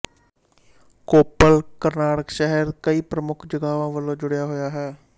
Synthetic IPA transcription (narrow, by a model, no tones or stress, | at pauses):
koːpəlkəɾnaːʈəkʃɛɦəɾkəiːpɾəmʊkʰd͡ʒəɡaːʋãːʋəlõːd͡ʒʊɽejaːɦoːjaːɦɛː